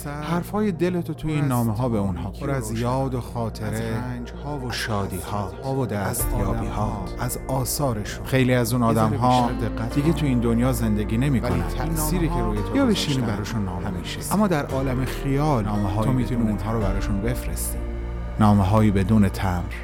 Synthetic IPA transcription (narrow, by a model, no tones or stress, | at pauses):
hæɾfhɒːjed̪elet̪ʰot̪ʰujeinːɒːmeɦɒːbeunhɒːpʰoɾæzjɒːd̪oxɒːt̪ʰe̞ɾend͡ʒhɒːvoʃɒːd̪iːhɒːhːvod̪æst̪jɒːiːhɒːæzɒːsɒːɾeʃunxe̞jliːæzuːnɒːd̪æmɦɒːd̪eɣːæt̪d̪iɡet̪ʰuiːnd̪onjɒːze̞nd̪eɡiːne̞miːkonnæ̰t̪ʰæsiːɾiːkʰeɾuːjet̪ʰojbeʃiːnnibæɾɔːʃunːɒːmemiʃeæmːɒːd̪æɾʔɒːlæmexijɒːlnːmeɦɒːmiːt̪ʰuniːunɦɒːɾobæɾɒːʃunbe̞fɾest̪i | nɒːmeɦɒːjiːbe̞d̪uːne̞t̪ʰæmɾ